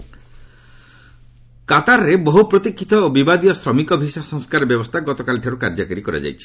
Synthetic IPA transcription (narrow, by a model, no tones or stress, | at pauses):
kat̪aɾːebɔɦupɾot̪ikʰːit̪ɔobibad̪ijɔsɾɔmikɔbʱisasɔŋskaɾɔbjɔbɔst̪ʰaɡɔt̪ɔkalʈʰɔɾukaɾd͡ʒakɔɾikɔɾḛd͡ʒa̰jt͡ʃʰi̥